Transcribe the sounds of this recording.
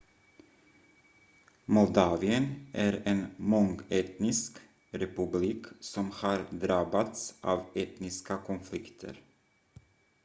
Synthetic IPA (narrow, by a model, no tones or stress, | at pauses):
mɔld̪ɑːvɪənʔæɾenmɔŋɛːt̪nɪsk | ɾɛpɵbliːksɔmhɑːɾd̪ɾɑbːat̪sʔɑːvɛːt̪nɪskakʰɔnflɪkt̪ʰə̰ɾ